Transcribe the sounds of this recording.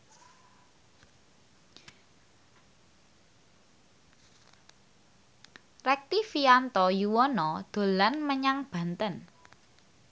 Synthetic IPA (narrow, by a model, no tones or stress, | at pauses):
rɛk̚t̪ifiant̪ɔjuwɔnɔd̪̥o̤lanməɲaŋb̥ä̤nt̪ən